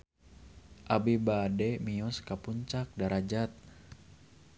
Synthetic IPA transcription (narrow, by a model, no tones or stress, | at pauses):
ʔabibadɛmiɔskapuɲt͡ʃak̚daɾad͡ʒat̪̚